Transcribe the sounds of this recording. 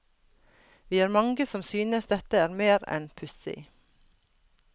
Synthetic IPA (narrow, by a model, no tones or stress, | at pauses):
ʋiːhɑːɾmɑŋɡəsɔmsyːnəsd̪ɛt̪əæːɾmeːɾɛ̰npʰʉsɪ̰